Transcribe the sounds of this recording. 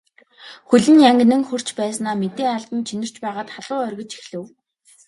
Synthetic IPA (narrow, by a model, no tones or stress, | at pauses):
xɵɮɘ̆njaŋɡ̆ʲnɘ̆ŋxɵr̥t͡ɕpæːsnaːmet̪eːŋaɮt̪ə̆nt͡ɕʰinɘ̆r̥t͡ɕpæːʁaːt̪χaɮʊːœrʲɣʲə̆t͡ɕi̥xɮɘ̆w